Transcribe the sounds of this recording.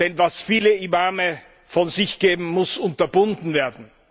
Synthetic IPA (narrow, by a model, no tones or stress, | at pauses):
d̥ɛnvasfiːləimamə | fɔnzɪçɡ̥eːbm̩mʊsʊntɐbʊndn̩veːɐdn̩